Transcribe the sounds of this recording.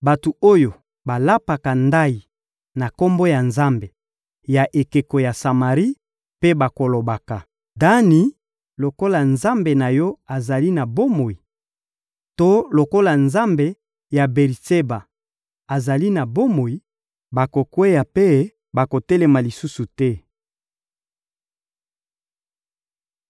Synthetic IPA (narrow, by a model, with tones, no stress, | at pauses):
ba˨tu˨o˦jo˨ | ba˨la˦pa˨ka˨nda˦i˨ | na˨ko˦mbo˦ja˨nza˦mbe˨ | ja˨ʔe˨ke˨ko˨ja˨sa˨ma˨ʁi˦ | pe˦ba˨ko˨lo˨ba˨ka˨ | da˦ni˨˦ | lo˨ko˦la˨nza˦mbe˨na˨jɔ˦a˨za˨li˦na˨bo˦mo˨i˨ | to˦lo˨ko˦la˨nza˦mbe˨ | ja˨be˨ʁi˨se˦ba˨ | a˨za˨li˦na˨bo˦mo˨i˨ | ba˨ko˨kwe˦ja˨pe˦ | ba˨ko˨tɛ˦lɛ˨ma˨li˨su˦su˨tɛ˦